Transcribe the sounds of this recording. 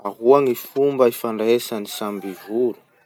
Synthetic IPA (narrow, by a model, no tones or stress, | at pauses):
aɦuaŋifumbəifaɳɖ͡ʐesanisambivulu̥